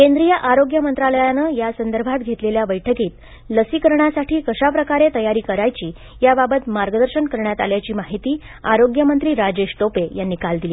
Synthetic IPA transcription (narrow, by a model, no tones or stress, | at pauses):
kend̪ɾijaʔaɾoɡjəmənt̪ɾaləjanəːjasənd̪əɾbʱat̪ɡʱet̪leljabəjʈʰəkiːt̪ | ləsiːkəɾɳjasaʈʰiːkəɕapɾəkaɾet̪əjaɾiːkəɾajt͡ɕiː | jababət̪maɾɡəd̪əɾɕənkəɾɳjat̪a̰ljat͡ɕiːmaɦit̪iː | a̰ɾoɡjəmənt̪ɾiːɾad͡ʑeɕʈ̪opejanːiːkald̪iliː